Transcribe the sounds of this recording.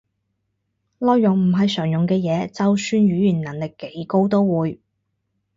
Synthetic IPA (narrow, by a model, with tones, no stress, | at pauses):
lɔː˧jjʊ˨˩ŋm̩˨˩ɦɐ˨jsœː˨˩ŋjʊ˨ŋkɛː˧jɛː˨˧t͡sɐ˨wsyː˥nɥyː˨˥jyː˨˩nnɐ˨˩nlɪ˨kːe˨˥jko˥wt̪o˥wwuː˨˧j